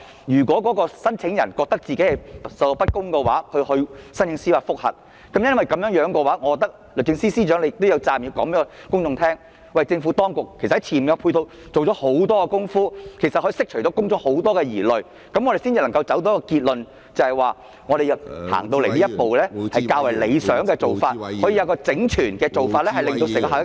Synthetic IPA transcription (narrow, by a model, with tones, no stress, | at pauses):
jyː˨˩kʷɔː˨˥kɔː˨˥kɔː˧sɐ˥nt͡sʰɪ˨˧˥ŋjɐ˨˩nkɔː˧k̚t̪ɐ˥k̚t͡siː˨ke˨˥hɐ˨˩jspɐ˥t̚kʊ˥ŋkɛ˧wa̰ː˨˥hɵ˧hɵ˧ɥsɐ˥nt͡ʃʰɪ˨˧˥ŋsiː˥waː˧˩fʊ˥k̚hɐ̰˨t̚ | kɐ˨˦mjɐ˥nwɐ˨jkɐ˨˥mjœ˨˥ŋjœː˨˥ŋkɔː˧waː˨˥ŋɔ˨˧˥kːɔ˨k̚t̪ɐ˥k̚ | lɵ˨˩t͡sɪ˧ŋsiː˥siː˥t͡ʃœː˨˥ŋle˧jɪ˨t̪o˥wjɐ˨˧wt͡saː˧˩mjiː˨˧wkɔ̰ː˨˥ŋmɛː˥kɔ˧kʊ˥ŋt͡sʊ˧ŋt̪ʰɛː˥ŋ | wɐ˨jt͡sɪ˧ŋfu˨˥t̪ɔː˥ŋkʊ˨k̚ʰːe˨˩sɐ˨ht͡sʰiː˨˩nm˨jɐ˨˧pʰu˧jt̪o˧w | t͡so˨wt͡ɕɔː˨˥ho˨˥wt̪ɔː˥kɔ˧kʊ˥ŋfuː˥kʰe˨˩sɐ˨hɔː˨˧˥i˧sɪ˥k̚t͡ʃʰɵ˨˩tɔː˨˥kʊ˥ŋt͡sʊ˨˧ŋho˨˥wt̪ɔː˥kɛː˧jiː˨˩lɵ˨˩ɥ | kɐ˨˦mŋɔ˨˧ɾe˨jsi˥t͡si˨lɐ˨˩ŋkɐ˧wt͡sɐ˨˥wt̪o˨˦˥kɔː˧kiː˧t̚lɵ˨n | t͡sɐ˨˧hɐ˨˩jwaː˨˧ | ŋɔ˨˧e˨jɐ˨k̚ha̰ː˨˩ŋt̪o˧wle˨˩jliː˥ɐ˥po˨wlɛː˥hɐ˨jkaː˧wɐ˨˩jle˨˧jsœː˨˥ŋkɛː˧t͡so˨wfaː˧t̚hɔ˨˥ji˧jɐ˧kɔː˧t͡sɪ˨˥ŋt͡ʃʰyː˨˩nkɛː˧t͡so˨wfaː˧t̚lɛː˥hɐ˨jlɪ˨ŋt̪o˧tːkɦaː˨˩